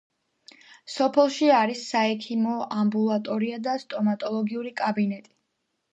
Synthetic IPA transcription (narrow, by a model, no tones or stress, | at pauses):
sɔpʰɛlˠʃiaɾisːaɛkʰimɔambulˠat̪ʼɔɾiad̪ast̪ʼɔmat̪ʼɔlˠɔɡiuɾikʼabinɛt̪ʼi̥